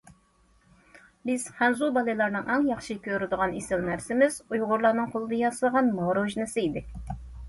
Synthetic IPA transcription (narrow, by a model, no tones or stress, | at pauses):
bɪz̥χænzub̪ɑlˠɨjlˠɑɾnɨŋʔæŋjɑχʃikʲʰøɾɪd̪əʁɑnesɪlnæɾsɪmɪz̥ujʁʊɾlˠɑɾnɨŋqʰolˠɨd̪ɑjɑsɨlˠʁɑnmɑɾoʒnɨsɪid̪ɪ